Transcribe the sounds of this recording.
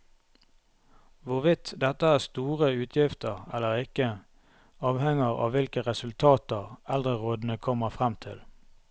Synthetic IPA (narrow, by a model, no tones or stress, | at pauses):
ʋʊʁʋɪt̪d̪ɛt̪əæːʁst̪uːʁəʉːt̪ʰjɪft̪əʁɛlːəʁɪkə | ɑːʋhɛŋəʁɑ̰ːʋʋɪlkəʁɛsʉlt̪ʰɑːt̪əʁɛld̪ʁəʁoːd̪n̩əkʰɔməʁfʁɛmt̪ʰɪl